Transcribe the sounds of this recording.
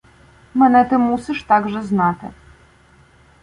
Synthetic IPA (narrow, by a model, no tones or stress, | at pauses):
mɛnɛt̪ɨmusiʂt̪aɡʐɛznat̪ɨ̰